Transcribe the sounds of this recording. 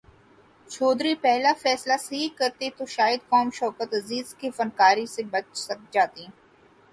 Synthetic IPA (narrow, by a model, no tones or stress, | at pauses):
t͡ʃʰoːd̪ɾipɛɦlafɛːslasɐɦikɐɾt̪et̪oʃaːjəd̪̚kɔːmʃɔːkət̪ɐziːzkifɐnkaːɾisebɐt͡ʃsɐk̚d͡ʒaːt̪i